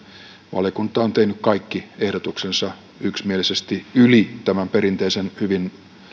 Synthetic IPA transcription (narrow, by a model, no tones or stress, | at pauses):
ʋɑ̰ljokunt̪ɑont̪ehnykkɑikːiehɾot̪uksensɑ | yksmielisest̪iylit̪æmæmperint̪eisenhyʋin